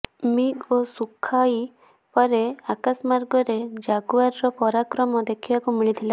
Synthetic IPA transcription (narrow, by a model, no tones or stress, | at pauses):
miɡosukʰai | pɔɾeakasmaɾɡɔɾed͡ʒaɡuaɾɾɔpɔɾakɾɔmɔd̪ekʰibakumiɭit̪ʰila